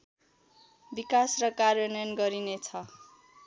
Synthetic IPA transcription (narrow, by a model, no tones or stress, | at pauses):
bikasrʌkarjʌnʌjʌnɡʌɾinet͡sʰʌ